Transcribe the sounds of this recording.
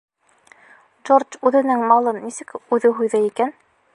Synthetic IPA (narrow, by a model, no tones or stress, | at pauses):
d͡ʒort͡ʃʉðɘ̆nɘŋmɑlˠɤnːisɘkʉðɘɦujðɤikæn